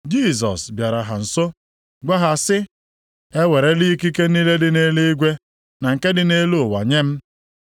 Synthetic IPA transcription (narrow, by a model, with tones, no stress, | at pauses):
d͡ʒi˦˨sɔ̰˨sbja˨ɾa˨ɦa˨n̩˨so˦ | ɡʷa˦ɦa˨sɪ˦ | e˦we˨ɾe˦li˦ki˦ke˦niː˦le˦dɪ˨ne˦li˦ɡʷe˦ | na˨ŋ̩˨ke˦dɪ˨ne˦lu˦ʊ˨wa̰˨ɲe˦m̩˦